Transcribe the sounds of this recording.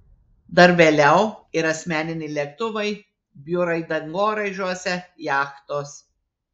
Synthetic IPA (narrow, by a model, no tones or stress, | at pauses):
d̪ɐɾʋʲeːlʲɛʊɪɾɐsʲmʲæːnʲɪnʲɪɪlʲɛk̚t̪ʊʋɐɪ | bʲjʊɾɐɪd̪ɐŋɡoːɾɐɪʒʲuɔsʲɛjɑːxt̪oːs